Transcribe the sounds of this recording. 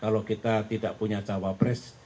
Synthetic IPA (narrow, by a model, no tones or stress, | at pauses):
kalokit̪at̪idaʔpuɲat͡ʃawabɾɛs